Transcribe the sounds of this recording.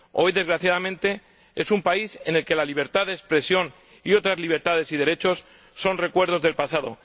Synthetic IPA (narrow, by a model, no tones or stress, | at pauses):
o̞̰jðe̞zɣɾaθjaðamẽnt̪e̞ | e̞sumpaise̞ne̞lke̞laliβ̞e̞ɾt̪aðespɾe̞sjo̞n | io̞t̪ɾazliβ̞e̞ɾt̪aðe̞siðe̞ɾe̞t͡ʃo̞sː | o̞nre̞kwe̞ɾð̞o̞zðe̞lpasaðo̞̰